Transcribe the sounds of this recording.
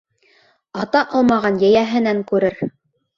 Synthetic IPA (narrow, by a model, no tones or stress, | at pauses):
ɑt̪ɑʔɑlˠmɑʁɑnjæjæɦɘ̆næŋkʉɾɘɾ